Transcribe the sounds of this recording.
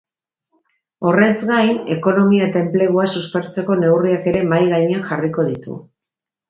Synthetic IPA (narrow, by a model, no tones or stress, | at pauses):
o̞re̞zɣajne̞ko̞no̞miae̞t̪ae̞mple̞ɣuasuspe̞ɾt͡se̞ko̞ne̞wriake̞ɾe̞majɣajɲanxariko̞ð̞it̪ṵ